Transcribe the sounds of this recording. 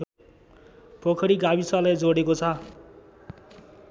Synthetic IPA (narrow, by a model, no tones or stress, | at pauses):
pokʰʌɾiɡabisʌlajd͡zoɽekot͡sʰʌ